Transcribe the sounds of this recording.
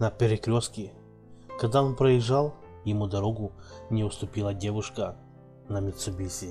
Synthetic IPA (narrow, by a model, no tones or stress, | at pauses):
nɐpʲɪɾʲɪkɾʲoskʲɪ | kɐɡ̚d̪aonpɾɐjɪʐːalˠ | jɪmud̪ɐɾoɡʊnʲɪʊst̪ʊpʲilˠɐdʲevʊʂkə | nɐmʲɪt̪sɨbʲisʲɪ